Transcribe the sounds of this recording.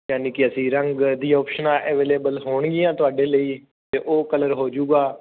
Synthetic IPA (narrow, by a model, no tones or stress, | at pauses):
jaːniːkɪəsĩːɾəŋɡd̪iːɔːpʃənãːʔɛːʋeːleːbəlɦoːɳɡɪjãːt̪ʊaːɖeːləiː | t̪eːʔoːkələɾɦoːd͡ʒuːɡaː